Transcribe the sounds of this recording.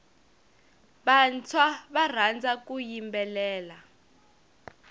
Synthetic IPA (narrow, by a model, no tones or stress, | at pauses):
ɓant͡sʰwaβar̤and͡zak̬ʼujimbɛlɛːla